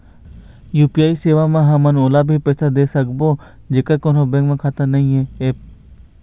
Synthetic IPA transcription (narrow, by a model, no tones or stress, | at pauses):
juːpijaːiseːʋamẽɦɐmənoːlabʱipɛːsad̪eːsəkbo | d͡ʒeːkəɾkõnobẽkmẽkʰaːt̪ənɐɦĩɦɛeːp̚